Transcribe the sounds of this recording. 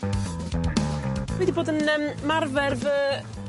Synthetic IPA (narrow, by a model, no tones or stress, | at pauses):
wɛdiboːdənəːmmarvɛrvə